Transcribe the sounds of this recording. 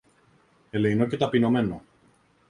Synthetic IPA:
e̞leino̞ce̞t̪ɐpino̞me̞no

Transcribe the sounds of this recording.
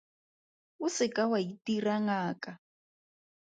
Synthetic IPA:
usɪkawaitiraŋaːka

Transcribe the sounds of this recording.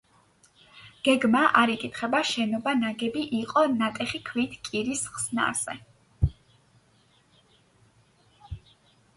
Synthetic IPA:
ɡ̥ɛɡmaʔaɾikʼit̪ʰχɛbaʃɛnɔbanaɡɛbiʔiqʼɔnat̪ʼɛχikʰwit̪ʰkʼiɾisχsna̰ɾz̥ɛ̰

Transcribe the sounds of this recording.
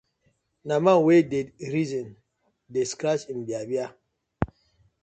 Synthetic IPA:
namawedeɾizɔn | deskɾasinbiabia

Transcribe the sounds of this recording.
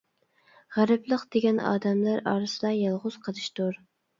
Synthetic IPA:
ʁæɾɨplˠəqd̪̥eɡʲɛnɑ̰ːd̪ɛmlæɾɑ̰ːɾɨsɨd̪ɑjɑlˠʁʊz̥qʰəlˠɨʃt̪uɾ

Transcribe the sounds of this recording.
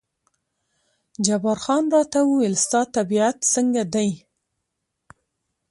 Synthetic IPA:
d͡ʒabɑɾxɑnɾɑt̪awuɪlst̪ɑt̪abiat̪səŋɡad̪aj

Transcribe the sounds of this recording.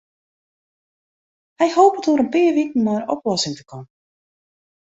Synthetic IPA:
hɛjhoːpətuəɾənpɪːrʋikən̩maːrɔplɔsɪŋtə̥kɔmə

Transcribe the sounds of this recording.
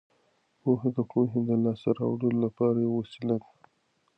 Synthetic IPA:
poɦed̪əpoɦed̪əlɑsaɾɑ̰wɽəlolapɑɾajewasilad̪

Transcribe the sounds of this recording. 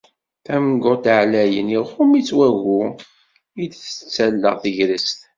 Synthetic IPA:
θæmɡʊt̪ʕlæjə̰niχʊmit͡sːwæʝʊ | id̪θət͡sːælːə̰ʁθəʝɾəst̪

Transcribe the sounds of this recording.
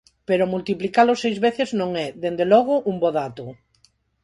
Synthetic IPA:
peɾʊmult̪iplikalʊsejzβeθeznõŋɛðend̪elɔɣ̞ʊʔumboðat̪ʊ

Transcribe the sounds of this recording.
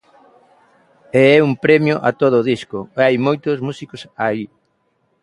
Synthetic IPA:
eɛumpɾɛmjʊʔat̪oð̞ʊːðiskʊajmojt̪ʊzmusikosai

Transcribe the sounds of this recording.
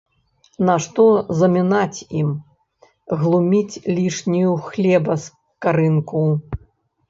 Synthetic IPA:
naʂt̪ɔzɐmʲinat͡sʲim | ɣlˠumʲit͡sʲlʲiʂnʲijuxlʲɛbɐs | kaɾɨnku

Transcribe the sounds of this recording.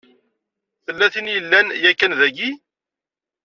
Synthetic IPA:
θəlːæθinjəlːænjækːænðæɡi

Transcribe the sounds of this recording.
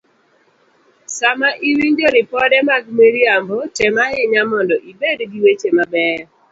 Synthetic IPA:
samaʔiwiɲd͡ʒɔɾɪpɔdɛmaɡmeɾiambɔtɛmaɪɲamɔndɔʔibedɡiwet͡ʃemabɛ

